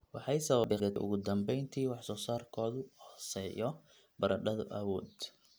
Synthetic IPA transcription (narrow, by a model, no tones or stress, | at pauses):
wɑħɑjsɐβɐbɪɐʔʊ̰ɣʊd̪ɐmbɛjnt̪ʰiːwɑħsɔːsaːrkʰɔːðʊhɔsɛːjɔ | bɐɾɐɖɐðʊ̰ʔɐwɔːd̪